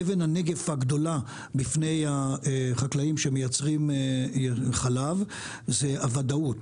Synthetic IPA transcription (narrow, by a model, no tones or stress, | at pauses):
evenhaneɡe̞faɡd̪o̞la | bifne̞jaeχaklaimʃemejat͡sʁim | χalav | zeavadaut